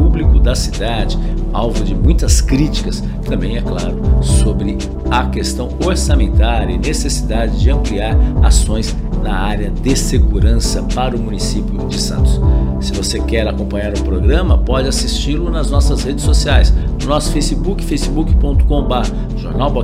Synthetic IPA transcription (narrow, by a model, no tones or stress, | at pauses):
ublikʊd̪ɐsid̪ad͡ʒɪawvʊd͡ʒɪmũj̃t̪ɐskɾit͡ʃi̥kɐs | t̪ɐ̃mbẽj̃ɛklaɾʊsobɾɪ | ɐkest̪ɐ̃w̃oɾsamẽnt̪aɾɐɪnesesid̪ad͡ʒɪd͡ʒɪɐ̃mpliaɾa̰sõj̃z | nɐaɾjɐd̪ɪseɡuɾɐ̃sɐpaɾʊmũnisipjʊd͡ʒɪsɐ̰̃nt̪ʊ̥ssɪvosekɛɾakõmpɐ̃ɲaɾʊ̃pɾoɡɾɐ̃mɐpɔd͡ʒɪasist͡ʃilʊnɐznɔsɐzhed͡ʒɪsːosiajsnʊnɔsʊ̥fejsibukɪ̥fejsibukɪ̥põnt̪ʊ̥kõbaɦɐ | ʒoɾnawbɔ